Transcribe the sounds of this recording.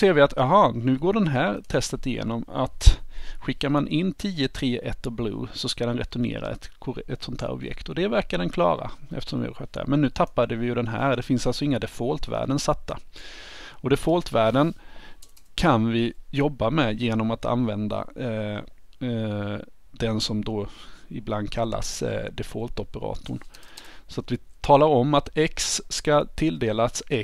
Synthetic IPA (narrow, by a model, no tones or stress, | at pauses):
seːɾvɪat̪jɑɦɑnʉ̟ːɡoːɖɛnɦæːɾt̪ʰɛst̪ət̪ɪjḛːnɔma̰t̪ɧɪkːaɾmanʔɪnːt̪ʰiːət̪ʰɾeːʔɛt̪ːɔblṵːsɔskad̪ɛnɾɛt̪ʊnḛːɾa̰ɛ̰t̪kʰʊɾɛt̪sɔnt̪ʰæ̰ːɾɔ̰bjɛ̰kt̪ɔd̪ɛvæɾkadɛnkʰlɑ̰ːɾa̰ɛ̰ft̪əʂɔ̰mvɪhɑ̰ɾɧœt̪̚d̪æ̰ːɾmɛnːʉ̟ːt̪ʰapːad̪əvɪjɵd̪ɛnɦæ̰ːɾd̪ɛfɪnsalsɔɪŋːad̪ɛfoːlt̪væ̰ːɖənsat̪ːa | ɔd̪ɛfoːlt̪væːɖən | kʰanvɪjɔbːamɛjeːnɔmat̪ʰa̰nvɛnd̪a̰ | d̪̥ɛnsɔmd̪oɪbland̪̚kʰalːa̰sd̪ɛfoːlt̪ɔpəɾɑ̰ːt̪ʊɳsɔat̪vɪt̪ʰɑːlaɾɔmːat̪ɛksːkat̪ʰɪld̪eːlasɛ